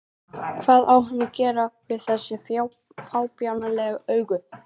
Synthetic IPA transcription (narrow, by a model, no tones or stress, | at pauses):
kʰvaːðawhʏnːʏcɛːɾavɪðθɛsːɪfjaw | faːwpjawnalɛɣœːɥɣʏ